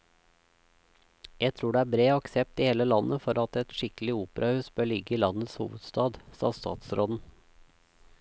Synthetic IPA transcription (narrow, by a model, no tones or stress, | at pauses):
jæt̪ʰɾuːɖeːæːbɾeːɑksɛp̚t̪iːheːləlɑnʔəfɔɾɑt̪ɛt̪ʃɪklɪuːpəɾʔɑhʉːsbøːɭɪɡəiːlɑnət̪shṵːʋəd̪st̪ɑːd̪sɑ̰ːst̪ɑ̰ːt̪sɾoːd̪n̩